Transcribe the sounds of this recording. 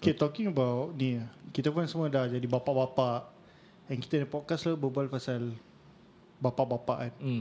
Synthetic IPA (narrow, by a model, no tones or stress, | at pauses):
oket̪ɔkĩŋəbawt̚nikit̪əpʊnsəmədahd͡ʒadibapaʔbapaʔ | ɛ̃nki̥t̪ənapɔt̚kaslabəbualpasal | bapaʔbapaʔan